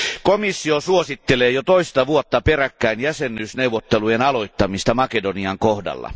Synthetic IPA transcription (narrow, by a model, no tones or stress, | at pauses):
komisːiosuosit̪ːeleːjot̪oist̪ɑʋuot̪ːɑperækːæinjæsenːˑyːsneuʋˑot̪ːelujenɑlo̞it̪ːɑmist̪ɑmɑkedoniɑŋkohdɑ̰lːɑ̰